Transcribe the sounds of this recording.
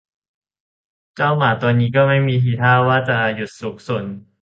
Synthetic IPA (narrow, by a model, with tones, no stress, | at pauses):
t͡ɕa˥˩wmaː˨˩˦t̪ɔː˧nːiː˦˥kɔː˥˩ma˥˩jmiː˧t̪ʰiː˨˩t̪ʰaː˥˩waː˥˩t͡ɕa˨˩ju˨˩t̪̚su˨˩˦k̚so˨˩˦n